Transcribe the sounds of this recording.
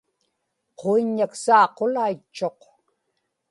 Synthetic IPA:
qʰoiɲːaksɑːqolait͡ʃːo̞q

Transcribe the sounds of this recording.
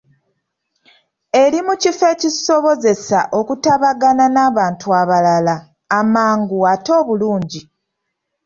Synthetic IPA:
e̞ɾimucife̞ciso̞βo̞ze̞saʔo̞kutaβaɡananaːβaːntuaβalalaː | maːŋɡuato̞ːβuluːɲɟi

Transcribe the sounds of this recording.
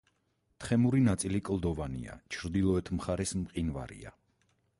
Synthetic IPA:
t̪χɛmuɾinat̪sʼilikʼlˠd̪ɔvanḭa̰t͡ʃʰɾd̪ilˠɔɛt̪ʰmχaɾɛsmqʼinva̰ɾḭa̰

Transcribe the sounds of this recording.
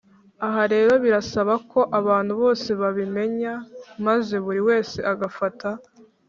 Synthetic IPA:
aɦaɾe̞ːɾo̞βiɾasaβako̞ʔaβaːnhuβo̞ːse̞βaβime̞ɲamaze̞βuɾiwe̞ːse̞ʔaɡafata

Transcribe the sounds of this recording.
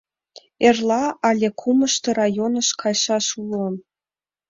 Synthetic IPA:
erlɑɑlʲekʰumɤ̆ʃt̪ɤ̆rɑjonə̆ʃkʰɑjʃɑʃulɤ̆m

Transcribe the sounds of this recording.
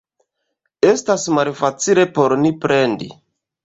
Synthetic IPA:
e̞stasmalfat͡sile̞po̞ɾnipɾe̞ndḭ

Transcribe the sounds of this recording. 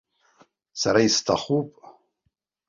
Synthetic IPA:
saɾaistʰaχupʼ

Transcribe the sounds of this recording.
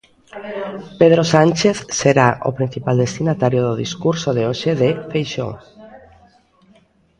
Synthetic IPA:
peðɾosanʲt͡ʃeθseɾaʔo̰pɾĩn̟θipald̪est̪inat̪aɾjoðoðiskuɾsoðeoʃeðefejʃo̰ŋ

